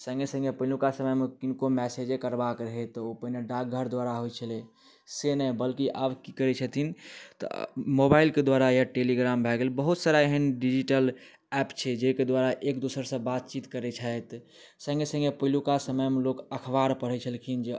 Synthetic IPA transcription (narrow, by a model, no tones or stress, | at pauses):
sə̃ŋɡesə̃ŋɡepəilukasəməjmekinkomɛsed͡ʒekəɾbakɾəɦɛt̪opəɦineɖak̚ɡʱəɾd̪ʋaɾaɦojt͡ʃʰəle | senəjbəlkiʔabkikəɾɛt͡ʃʰət̪ʰint̪ɔ̰mobailked̪waɾajaʈeliɡɾambʱɛɡelbəɦut̪saɾaeɦənɖid͡ʒiʈəl | ɛpt͡ʃʰɛd͡ʒeked̪ʋaɾaʔekd̪usəɾsə̃bat̪̚t͡ʃit̪kəɾɛt͡ʃʰəjt̪ | sə̃ŋɡesə̃ŋɡepəilukasəməjmelokəkʰbaɾpəɽ̤ɛt͡ʃʰəlkʰind͡ʒe